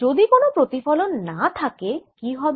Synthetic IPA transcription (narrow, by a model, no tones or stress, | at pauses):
od̪ikonopɾot̪ifɔlonːat̪ʰakekiɦɔbe